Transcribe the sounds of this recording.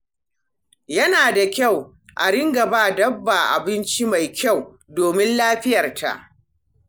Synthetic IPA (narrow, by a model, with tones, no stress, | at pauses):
jɐ˦naː˨da˨kʲa˦˨w | ʔa̰˨ɽɪ˦ŋɡɐ˨baː˦˨dɐ˦bːa˨ʔa̰˨bɪ˦nt͡ʃi˦ma˨jkʲa˦˨w | doː˨mɪ˦nlaː˦ɸɪ˦jɐ˨rtʰa̰˨ʔ